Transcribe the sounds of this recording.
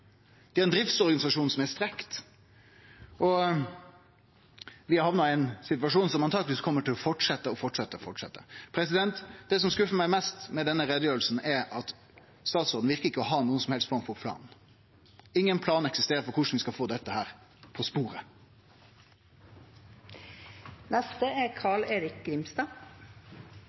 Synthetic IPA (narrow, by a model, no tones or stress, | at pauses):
d̪̥ɛæːɾɛnd̪ɾɪft̪sɔɾɡɑnɪsɑʂuːnsɔmæst̪ɾɛkt̪ | ʔɔ | ʋɪɑhɑʋnɑæɪnsɪt̪ʋɑʂuːnsɔmɑnt̪ɑːɡlʋiːskʰɔmːəʈɪlɔfɔʈʂɛt̪ːəɔfɔʈʂɛt̪ːəfɔʈʂɛ̰t̪ːəpʰɾɛs̬ɪd̪ɛnt̪d̪ɛsɔmskʉfːəmæɪmɛst̪mɛd̪ɛnːəɾɛd̪əjøːɾlsn̩ɛɑt̪ | st̪ɑːt̪soːd̪n̩ʋɪɾkəɾɪkːəɔɦɑːnuːəsɔmhɛlst̪fɔɾmfɔpʰlɑ̰ːnn̩ | ɪŋːənpʰlɑːnɛksɪst̪eːɾəfɔɾkʰʊʂn̩ʋɪskɑlfoːd̪ɛt̪ːəhæːɾpʰɔspuːɾə | nɛst̪əɛkʰɑːɭeːɾɪk̚ɡɾɪmst̪ɑː